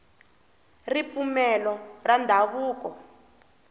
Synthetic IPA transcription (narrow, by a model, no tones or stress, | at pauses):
rip̪fumɛlɔrandʱaβuːk̬ɔ